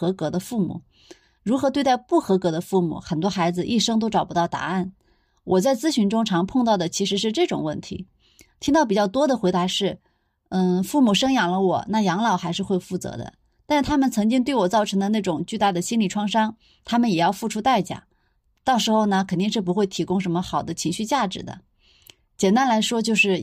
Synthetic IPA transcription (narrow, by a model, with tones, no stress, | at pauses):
ɤ˧˥kɤ˧˥d̪ə˧fu˥˩mṵ˨˩˦ | ɻu˧˥xɤ˧˥t̪we˥˧ɪt̪a˥˧ɪpu˥˩xɤ˧˥kɤ˧˥d̪ə˧fu˥˩mṵ˨˩˦xə˨˩nt̪wɔ˥xa˧˥ɪd͡zɹ̩˧ʔi˥˩ʂɤ˥ŋt̪̬o˥ʊʈ͡ʂɑ˨˩ʊpu˧˥t̪ɑ˥˩ʊt̪a̰˧˥a˥˩n | wʔɔ˨˩t͡sa˥˩ɪt͡sɹ̩˥ɕy˧˥nʈ͡ʂʊ˥ŋʈ͡ʂʰɑ˧˥ŋpʰɤ˥˧ŋt̪ɑ˥˩ʊd̪ə˩t͡ɕʰi˧˥ʂɻ̩˧˥ʂ̬ɻ̩˥˧ʈ͡ʂɤ˥˩ʈ͡ʂʊ̰˨˩ŋwə̰˥˩nt̪ʰḭ˧˥ | t̪ʰi˥ŋt̪ɑ˥˩p̬i˨˩t͡ɕjɑ˥˩ʊt̪wɔ˥d̪ə˨xwe˧˥ɪt̪a˧˥ʂɻ̩˥˩ | n̩˥˩fu˥˩mu˨˩ʂɤ˥ŋjɑ˨˩ŋlə˦wɔ˨˩˦na˥˩jɑ˧˥ŋlɑ˨˩ʊxa˧˥ɪʂɻ̩˥˧xwe˥˧ɪfu˥˩t͡sɤ̰˧˥d̪ə̰˧ | t̪a˥˧nʂɻ̩˥˩t̪ʰa˥mə˨nt͡sʰɤ˧˥ŋt͡ɕi˥ŋt̪we˥˩ɪwɔ˨˩t͡sɑ˥˩ʊʈ͡ʂʰɤ˧˥ŋd̪ə˧na˥˩ʈ͡ʂʊ˨˩ŋt͡ɕy˥˧t̪a˥˩d̪ə˩ɕi˥nli˨˩ʈ͡ʂʰwɑ˥˧ŋʂɑ˥ŋ | t̪ʰa˥mə˨njɛ˨˩jɑ˥˧ʊfu˥˩ʈ͡ʂʰu˥t̪a˥˧ɪt͡ɕja̰˨˩˦ | t̪ɑ˥˩ʊʂɻ̩˧˥xo˥˧˩ʊnə˩kʰə˨˩nt̪i˥˧ŋʂɻ̩˥˩p̬u˧˥xwe˥˩ɪt̪ʰi˧˥kʊ˥ŋʂə˧˥nmə˧xɑ˨˩ʊd̪ə˦t͡ɕʰi˧˥ŋɕy˥˧t͡ɕja˥˩ʈ͡ʂɻ̩˨˧˩d̪ə̰˦ | t͡ɕjɛ˨˩nt̪a˥nla˧˥ɪʂwɔ˥t͡ɕjo˥˧ʊʂɻ̩˥˩